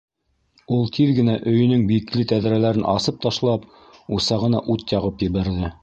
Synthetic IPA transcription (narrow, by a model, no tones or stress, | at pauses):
ulˠt̪ʰiðɡɘ̆næʔɵ̆jɵ̆nɵŋbiklɘt̪æðɾælæɾɘnʔɑsɤp̚t̪ɑʃlˠɑp | usɑʁɤ̆nɑ̰ʔut̪jɑʁɤpjɘ̆βæɾðɘ